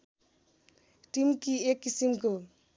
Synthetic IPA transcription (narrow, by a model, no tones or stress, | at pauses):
ʈimkiekːisimko